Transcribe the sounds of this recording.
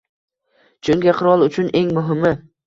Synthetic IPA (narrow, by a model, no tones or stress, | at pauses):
t͡ʃʰʊŋkʲɪqʰɨɾɒlˠʊt͡ʃʰʊnʔe̞ŋmʊɦɪmɪ